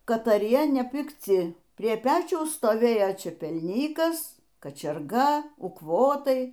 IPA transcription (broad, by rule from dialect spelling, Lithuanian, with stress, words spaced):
kɐtɐˈrʲiɛ nʲɛpʲɪkˈt͡sʲɪ pʲrʲiɛ ˈpʲæːt͡ʃʲɛʊs stoːˈʋʲeːjoː t͡ʃʲɛpʲɛlʲˈnʲiːkɐs kɐt͡ʃʲɛrˈɡɐ ʊkˈʋoːtɐɪ